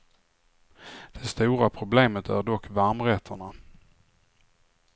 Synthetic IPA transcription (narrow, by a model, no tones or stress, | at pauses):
d̪̥ɛst̪uːɾapʰɾʊbleːmət̪ʰæ̰ɖɔkːvaɾmɾɛt̪ʰːəɳa